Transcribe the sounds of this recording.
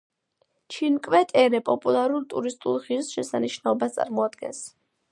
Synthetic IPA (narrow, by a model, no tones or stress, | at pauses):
t͡ʃʰinkʼwɛt̪ʼɛɾɛpʼɔpʼulˠaɾult̪ʼuɾist̪ʼulˠʁisʃɛsaniʃnaɔbast̪sʼa̰ɾmɔad̪ɡɛ̰ns